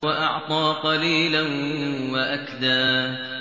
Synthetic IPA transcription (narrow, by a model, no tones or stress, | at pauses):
waʔɑʕt̪ˤɑːqɑliːlanwaʔakd̪aː